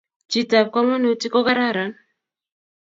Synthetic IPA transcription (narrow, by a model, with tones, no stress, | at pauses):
d͡ʒi˨ta˨b̚ka˦ma˦nu˨˦ti˦kɔ˦ka˦ɾa˦˨ɾa˨˦n